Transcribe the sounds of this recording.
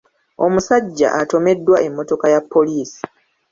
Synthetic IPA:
o̞musaɟːa̰ʔato̞me̞dːwaʔe̞mːo̞to̞kajapːo̞liːsi̥

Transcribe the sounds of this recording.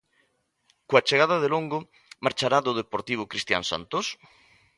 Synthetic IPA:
koat͡ʃeɣaðɐðeloŋɡʊ | maɾt͡ʃaɾad̪oðepoɾt̪iβ̞ʊkɾist̪ja̰nsa̰nt̪os

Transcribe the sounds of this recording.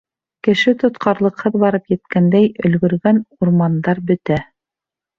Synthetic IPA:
kɘ̆ʃɘt̪ŏt̪qɑɾlˠɤ̆qhɤðbɑɾɤpjɘ̆t̪kænd̪æjɵ̆lɡɵ̆ɾɡænuɾmɑnd̪ɑɾbɵ̆t̪æ

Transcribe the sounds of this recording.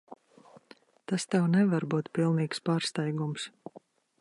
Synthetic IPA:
t̪ast̪ɛwnɛvaɾbuːt̪pilˠniːkspaːɾst̪ajɡums

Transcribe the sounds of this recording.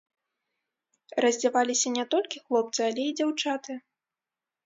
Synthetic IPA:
rɐzʲd͡zʲavalʲisʲɐnʲɛt̪ɔlʲkʲixlˠɔp̚t̪sɨalʲɛid͡zʲawt͡ʂat̪ɨ

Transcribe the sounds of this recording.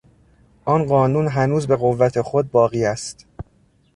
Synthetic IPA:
ʔɒnɢɒːnuːnɦænuːzbe̞ɣovːæt̪ʰe̞xod̪̚bɒːɣiːæst̪

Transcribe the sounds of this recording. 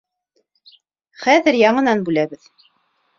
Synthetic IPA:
χæðɘɾjɑɴɤ̆nɑnbʉlæβɘð

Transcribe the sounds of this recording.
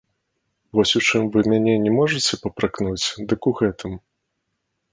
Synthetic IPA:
vɔsʲut͡ʂɨmvɨmʲanʲɛnʲɛmɔʐɐt͡sʲɛpɐpɾaknut͡sʲd̪ɨkuɣɛt̪ɨm

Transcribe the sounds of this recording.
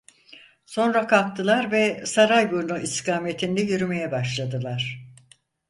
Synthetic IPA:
so̞nɾakʰak̚t̪ʰɯlˠaɾvɛsaɾajbuɾnuʔiskaːme̞t̪ʰind̪ɛjyɾyme̞jɛbaʃlˠad̪ɯlˠaɾ̥

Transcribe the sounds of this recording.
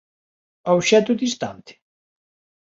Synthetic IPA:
awʃɛt̪ʊðist̪a̰nt̪ɪ̥

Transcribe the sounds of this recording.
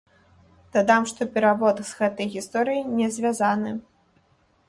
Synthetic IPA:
t̪ad̪amʂt̪ɔpʲɛɾavɔt̪z̥ɣɛt̪ɐjɣʲist̪ɔɾɨjinʲɛzʲvʲazanɨ

